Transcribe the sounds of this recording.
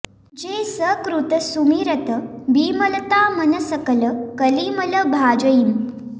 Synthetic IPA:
d͡ʑeːsəkɾut̪əsumiːɾət̪əbiːmələt̪aːmənəsəkələkəliːmələbʱaːd͡ʒəjim

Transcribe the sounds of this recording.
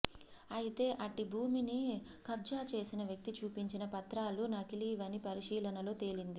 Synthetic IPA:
ɐjit̪e̞ːʔɐʈːibʱuːmini | kɐb̚d͡ʒaːt͡ʃe̞ːsinɐʋjɐk̚t̪it͡ʃuːpiɲt͡ʃinɐpɐt̪ɾaːlunɐkiliʋɐnipɐɾiʂiːlɐnɐlo̞ːt̪e̞ːlind̪i

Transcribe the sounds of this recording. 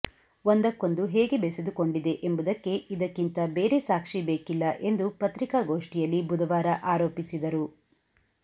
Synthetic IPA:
ond̪ɐkːo̞nd̪uɦeːɡebesed̪ukoɳɖid̪e̞ʔembud̪ɐkːe̞ʔid̪ɐkːint̪ɐbe̞ːɾe̞saːkʂibeːkilːɐʔe̞nd̪upɐt̪ɾikaɡo̞ːʂʈijɐlːibud̪ɐʋaːɾɐʔaːɾoːpisid̪ɐɾu

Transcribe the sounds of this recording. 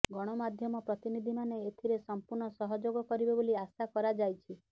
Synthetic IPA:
ɡɔɽ̃ɔmad̪ʱjɔmɔpɾɔt̪inid̪ʱimaneet̪ʰiɾesɔmpuɾɳɔsɔɦɔd͡ʒoɡɔkɔɾibeboliasakɔɾad͡ʒajt͡ʃʰi

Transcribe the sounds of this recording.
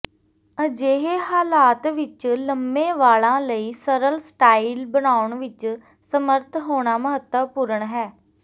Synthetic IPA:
əd͡ʒeːɦeːɦaːlaːt̪ʋɪt͡ʃləmbẽːʋaːlãːləiːsəɾəlsʈaːiːlbənaːʊɳʋɪt͡ʃ | səməɾt̪ʰɦoːɳ̃aːməɦət̪əpʊɾəɳɦɛː

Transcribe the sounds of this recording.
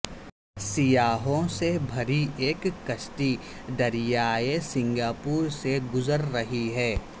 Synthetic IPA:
sɪjaːɦõsebʱɐɾieːkːɐʃʈi | d̪ɐɾijaːjesɪ̃ŋɡaːpuːɾseɡʊzəɾːɐɦiɦɛː

